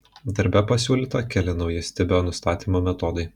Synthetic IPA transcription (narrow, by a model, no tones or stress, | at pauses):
d̪ɐɾʲbʲɛpɐsʲuːlʲiːt̪ɐkʲɛlʲɪnɒʊjɪsʲt̪ʲɪbʲoːnʊst̪ɑːt̪ʲiːmoːmʲɛt̪ɔd̪ɐɪ